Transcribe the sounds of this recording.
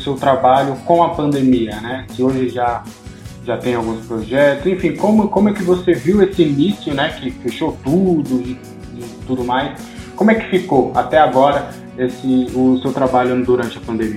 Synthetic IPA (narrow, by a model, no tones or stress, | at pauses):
ʊsewt̪ɾabaʎʊkõɐpɐ̃nd̪emiɐnɛsɪoʒɪʒa | ʒat̪ẽj̃awɡũspɾɔʒɛt̪ʊsẽfĩkõmʊkõmʊɛkɪvoseviwesɪːnisjʊnɛkɪfeʃot̪ud̪ʊɪ | ɪt̪ud̪ʊmajs | kõmʊɛkɪ̥fikoat̪ɛaɡɔɾɐ | esɪʊsewt̪ɾabaʎʊ̃d̪uɾɐ̃nt͡ʃɪɐpɐ̃nd̪emi